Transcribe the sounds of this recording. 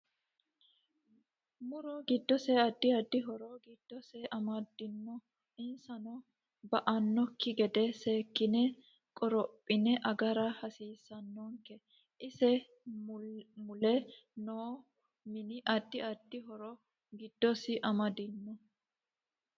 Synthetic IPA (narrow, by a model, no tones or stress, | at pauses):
mʊɾɔɡɪd̪ːɔsɛɐd̪ːɪɐd̪ːɪɦɔɾɔɡɪd̪̥ːɔsɛʔɐmɐd̪ɪnːɔ | ɪnsɐnɔ | bɐʔɐnːɔkːɪɡɛd̪ɛseːkːɪnɛ | kʼɔɾɔpʼːɪnɛʔɐɡɐɾɐhɐsiːsːɐnːɔːŋkɛ | ʔɪsɛ | mʊlɛnoː | mɪnɪʔɐd̪ːɪɐd̪̥ːɪɦɔɾɔ | ɡɪd̪̥ːɔsɪʔɐmɐd̪ɪnːɔ